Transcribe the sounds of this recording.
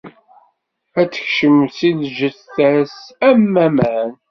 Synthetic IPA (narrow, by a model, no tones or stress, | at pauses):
æt͡sːə̥çʃəmsiðʒəθæsæmːæmæn